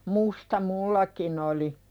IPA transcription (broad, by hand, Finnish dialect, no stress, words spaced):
mustɑ mulːɑkin oli